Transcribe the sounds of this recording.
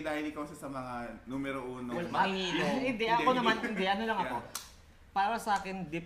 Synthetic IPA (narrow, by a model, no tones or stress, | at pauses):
d̪aːhɪlɪkɐwʃasɐmɐŋanumɛɾoʔuːnowɐlmɐiːloɪnd̪ɛʔɐkonɐmanɪnd̪ɛʔɐnolɐŋɐo̞ | pɐɾawɐsɐʔaːkɪnd̪ɪp